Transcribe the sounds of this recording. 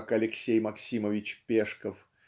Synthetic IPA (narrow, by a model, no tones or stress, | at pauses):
kɐlʲɪksʲejmɐksʲiməvʲɪt͡ɕpʲeʂkəf